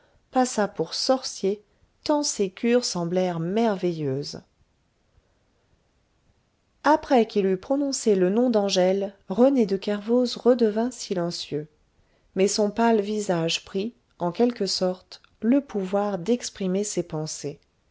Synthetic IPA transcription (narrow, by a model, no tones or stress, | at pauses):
pasapuʁsɔʁsje | t̪ɑ̃sekʰʲyʁsɑ̃blɛʁmɛʁvɛjøːz | apχɛkilypχɔnɔ̃selənɔ̃d̪ɑ̃ʒɛlʁəned̪əkɛʁvozʁəd̪əvɛ̃silɑ̃sjø | mɛsɔ̃palvizaʒpχi | ɑ̃kʲɛlkəsɔʁt̪ | ləpuvwaʁd̪ɛkspχimesepɑ̃se